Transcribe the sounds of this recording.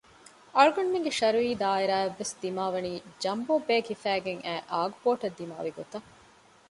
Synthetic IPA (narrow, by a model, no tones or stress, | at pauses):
ɐɭuɡɐnmeŋɡeʃɐɾuiːd̪aːiɾaːeʋːesd̪imaːʋɐniːd͡ʒɐmboːbeːkifæːɡeŋʔæːʔaːɡupoːʈɐd̪ːima̰ːʋiɡot̪ɐ